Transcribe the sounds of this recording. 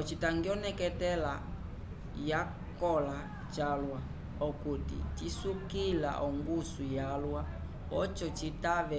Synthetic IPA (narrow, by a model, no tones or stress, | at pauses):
ɔt͡ʃitaŋɡiɔnɛkɛtɛla | ja | kɔla | t͡ʃalwa | ɔkutḭtisukila̰ʔɔŋɡusujalwa | ɔt͡ʃɔt͡ʃitavɛ